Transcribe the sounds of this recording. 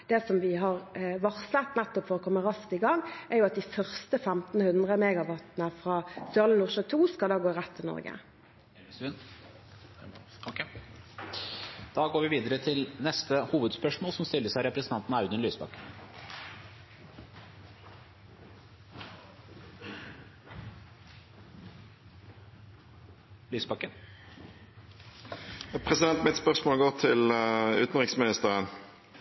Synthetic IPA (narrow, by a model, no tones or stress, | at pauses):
d̪̥ɛːsɔmʋɪɦɑʁʋɑʁsət̪næt̪ːɔpfɔʁɔkʰɔmːəʁɑskt̪ɪɡɑŋʔæʁjʊɑt̪̚d̪ɪfœʁst̪əfæmt̪n̩hʉnd̪ʁəmeːɡɑʋɑt̪nəfʁɑːsøːʁlənuːʁʃət̪ʰuːskɑld̪ɑːɡoːʁæt̪ʰːɪlnɔ̰ʁɡə̰ | d̪̥ɑːɡoːɾʋɪʋiːd̪əɾət̪ʰɪlnɛst̪əhuːʋəd̪spœʂmoːlsɔmst̪ɪlːəʂæɪɾɛpɾɛsənʰɑnt̪n̩ɑʉd̪ənlyːsbɑkːə | lyːsbɑkːən | pʰʁɛsɪd̪ɛnt̪mɪt̪spœʁsmoːlɡoːʁt̪ʰɪlʉ̰ːt̪n̩ʁɪksmɪnɪst̪əʁən